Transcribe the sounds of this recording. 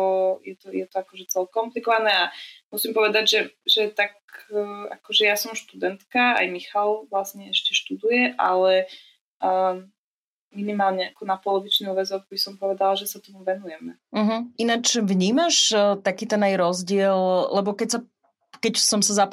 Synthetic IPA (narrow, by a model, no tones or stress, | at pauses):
ɔjɛt̪ɔjɛt̪ɔakɔʒɛt͡sɛlkɔmplikɔʋanɛamusimpɔʋɛd̪aɟʒɛʒɛt̪akː | a̰kɔʒɛjasɔmʃt̪ud̪ɛnt̪kaa̰jmixalʋlasɲɛɛʃcɛʃt̪ud̪ujɛʔa̰lɛ | minimaːlɲɛakɔnapɔlɔʋit͡ʃniʋɛd͡zɔɣbisɔmpɔʋɛd̪alaʒɛsat̪ɔmuʋɛnujɛmɛm̩ɦ̩ʔinat͡ʃʋɲiːmaʃt̪akiːt̪ɛnajɾɔzɟɪɛllɛbɔkɛcsa | kɛcsɔmsazap